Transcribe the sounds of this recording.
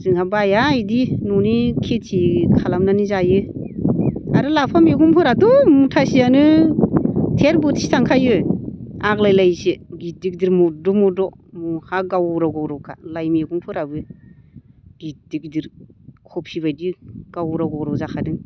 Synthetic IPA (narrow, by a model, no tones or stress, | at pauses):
zɯŋhabajajdinɔnikʰetʰikʰalamnanizajɯ | aɾɯlapʰameɡuŋpʰɯɾadɔmutʰasianɯ | tʰeɾbɯtsi̥sʰaŋkʰajɯ | aklajlajsɯɡidik̚diɾmɔdɔmɔdɔ | muhaɡawɾawɡawɾɔkʰa̰lajmeɡuŋpʰɯɾabɯ | ɡ̥idikdiɾkʰɔp̚sibajdiɡ̥awɾawɡawɾɔzakʰadɯŋ